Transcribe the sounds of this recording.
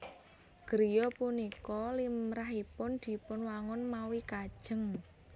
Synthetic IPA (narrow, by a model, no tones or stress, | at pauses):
ɡ̥əɾijɔpunikɔlimɾaɦipʊnd̪̥i̤pʊnwaŋʊnmawikad̥ʒ̥ə̤ŋ